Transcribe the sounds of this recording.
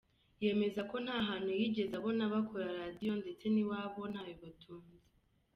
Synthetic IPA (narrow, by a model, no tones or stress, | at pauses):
je̞ːme̞zako̞n̥haːɦaːn̥hujiɟe̞zaβo̞naβakʰoɾaɾaːdijo̞nde̞t͡se̞niwaːβo̞n̥haːjoβatʰuːnzi